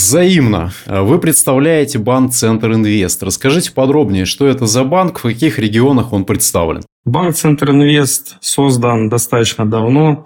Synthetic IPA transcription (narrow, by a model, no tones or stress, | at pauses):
vzɐimnə̰vɨpɾʲɪt̪st̪ɐvlʲæjɪtʲɪbank̚t̪sɛnt̪rɨnvʲe̞st̪rəskɐʐɨtʲɪ̥pɐd̪ɾo̞bnʲɪjəʂt̪o̞ɛt̪əzɐbankfkɐkʲixɾʲɪɡʲɪo̞nəxo̞npɾʲɪt̪st̪a̰vlʲɪ̰n | bankt̪sɛnt̪rɨnvʲe̞st̪so̞zd̪ənd̪ɐst̪at̪ət͡ɕnəd̪ɐvno